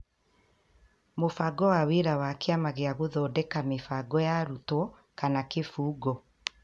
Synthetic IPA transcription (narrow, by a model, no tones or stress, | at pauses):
mofaɡɔwaweɾawakeamaɣeaɣoðɔːdɛkamefaɡɔjaɾutɔ | kanakefuːɡɔ